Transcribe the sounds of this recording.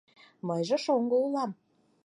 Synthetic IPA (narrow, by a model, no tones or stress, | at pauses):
mɤjʒə̆ʃoŋɡoulɑm